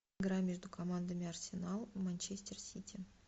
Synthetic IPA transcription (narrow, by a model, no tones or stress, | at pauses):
ɡɾamʲe̞ʐd̪ukʰomand̪amʲearsʲenalˠmanʲt͡ʃesʲtʲersʲit̪ʲʰi